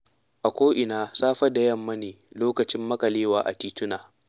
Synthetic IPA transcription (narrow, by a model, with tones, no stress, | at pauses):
ʔa˨kʷoː˦ʔɪ˨naː˦saː˦ɸɐ˦da˨jɐ˦mːɐ˦neː˨loː˦kɐ˨t͡ʃɪ˦mːɐ˦kɐ˨leː˦waː˨ʔa̰˨tiː˦tʊ˦naː˨